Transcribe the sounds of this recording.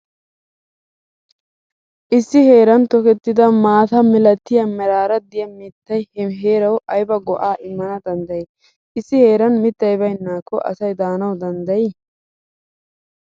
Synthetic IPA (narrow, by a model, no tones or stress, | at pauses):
ʔɪsːɪhe̞ːɾɐnt̪ɔkɛt̪ːɪd̪ɐmaːt̪ɐmɪlɐt̪ːɪjɐmɛɾaːɾɐd̪ɪjɐmɪt̪ːɐjɦeːɾɐwʔɐjbɐɡɔʔaːʔɪmːɐnɐd̪ɐnd̪ɐj | ɪsːɪhe̞ːɾɐnmɪt̪ːɐjbɐjnːaːkːɔʔɐ̰sɐjd̪aːnɐwd̪ɐnd̪ɐj